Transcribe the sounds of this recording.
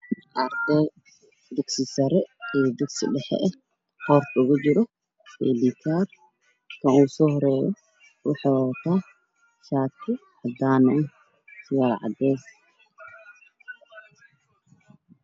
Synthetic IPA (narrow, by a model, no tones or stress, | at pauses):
aɾt̪ɛ | d̪ɛksɪsɐɾɛɛːd̪ɛɡsɪ̰ɖɛħɛ̰ʔɛ | hɔrt̪ʊɣʊt͡ʃɪɾɔ | ɛ̰ːlit̪ʰaːr | kʰɐnuːsɔːhɔɾɛːjɔ | wɑħaːt̪ʰa | ʃaːtkʰɪħɐd̪aːnɐ | sɪjaːlʕɑ̰d̪ɛːs